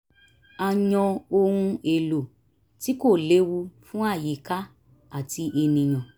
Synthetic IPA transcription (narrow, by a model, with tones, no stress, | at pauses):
a˨ɲɔ̃˧o˧ɾũ˧e˨lo˨ | ti˦ko˦˨le˨˦wu˧fũ˦a˦˨ji˨˦ka˦ | a˦˨ti˧ʔe˧nĩ˨j̃ɔ̃˨